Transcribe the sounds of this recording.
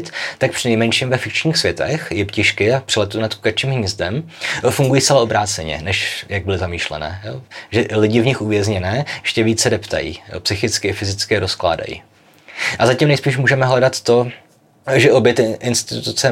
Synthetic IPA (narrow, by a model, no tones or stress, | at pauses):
t̪t̪ak̚pr̥ɪnɛjmɛnʃiːmvɛfɪk̚t͡ʃɲiːxsvʲjɛt̪ɛ̰xjɪpcɪʃkɪapr̥ɪlɛt̪unat̪ku̥kat͡ʃiːmɦɲɛst̪ɛm | fuŋɡujiːstt͡sɛlao̞bɾaːt͡sɛɲɛ̰nɛʃjaɡ̚bɪlɪzamiːʃlɛ̰nɛ̰ːjoʒɛlɪɟɪvɲɪxuvjɛzɲɛnɛːjɛʃcɛviːt͡ssɛdɛpt̪a̰jḭːjo̰psɪxɪt͡skɪɪfɪzɪt͡skɪɾoskla̰ːda̰jḭː | ʔazacimnɛjspiːʃmuːʒɛmɛɦlɛdat̪ːo̞ | ʒɛʔo̞bjɛt̪ɪnst̪ɪ̥t̪ut̪ut͡sɛ